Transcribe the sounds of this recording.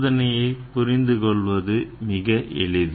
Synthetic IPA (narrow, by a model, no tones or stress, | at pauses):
ðɐnɐjɐɪpʊɾɪnd̪ɯkɔɭʋɐðɯmɪɣɐʔʔɛ̰ɭɪðɯ